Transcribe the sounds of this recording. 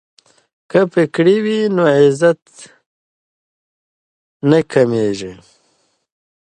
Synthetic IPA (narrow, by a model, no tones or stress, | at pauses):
kapekɽiwinoʕɪzat̪ | nakʰɐmeːʒe